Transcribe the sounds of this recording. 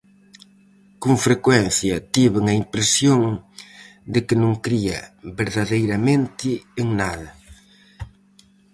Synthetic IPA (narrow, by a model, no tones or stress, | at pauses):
kõŋfɾekwɛnθjɐt̪iβɪŋɐimpɾesjoŋ | d̪ɪkɪnõŋkɾiɐ̰βeɾðɐðejɾɐmẽnt̪ɪeŋnaðɐ